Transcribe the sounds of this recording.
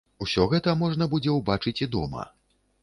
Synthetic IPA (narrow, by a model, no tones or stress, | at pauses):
usʲɔɣɛt̪ɐmɔʐn̪ɐbud͡zʲɛwbat͡ʂɨt͡sʲid̪ɔmɐ̰